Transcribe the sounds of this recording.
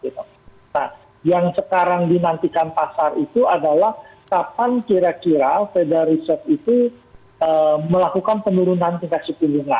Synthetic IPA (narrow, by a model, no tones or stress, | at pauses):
ɡit̪u | na̰h | jaŋsəkaɾaŋdinant̪ikanpasarit̪uadalahkapankiɾakiɾafedaɾisɔrt̪it̪u | əməlakukanpənuɾunant̪iŋkat̪̚sikuluŋa̰n